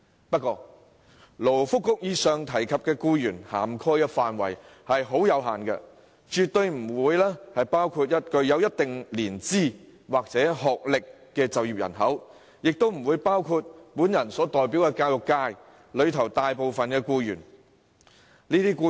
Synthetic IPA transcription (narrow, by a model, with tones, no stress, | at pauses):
pɐ˥t̚kːɔː˧ | lo˨˩wfʊ˥kːʊ˥k̚jiː˧sœː˨ŋt̪ʰɐ˨˩jkʰɐ˨p̚kɛː˧kuː˧jyː˨˩nha̰ː˨˩mkʰɔː˥jkɛ˧faː˨nwɐ̰˨˩jhɐ˨jɦo˨˥wjɐ˨˧wɦaː˨˩nkɛ̰˧ | t͡ʃyː˨t̚t̪ɵ˧ɥm̩˨˩wuː˨˧jlɛː˥hɐ˨jpaː˥wkʰuː˧t̚jɐ˥t̚kɵ˧ɥjɐ˨˧wjɐ˥t̚t̪ɪ˨ŋliː˨˩nt͡siː˥ | waː˨k̚t͡sɛː˨˥ɦɔː˨k̚lɪ˨kːɛː˧t͡sɐ˨wjiː˨p̚jɐ̰˨˩nɦɐ˨˥w | jɪ˨k̚t̪o˥wm̩˨˩wuː˨˧jpaː˥wkʰu˧t̚puː˨˥njɐ˨˩nsɔː˨˥t̪ɔː˨jp̬iː˨˥wkɛː˧kaː˧wjʊ˨kːaː˧j | lɵ˨˧ɥt̪ʰɐ˨˩wt̪aː˨jpo˨wfɐ˨nkɛː˧kuː˧jyː˨˩n | niː˥t̪iː˥kuː˧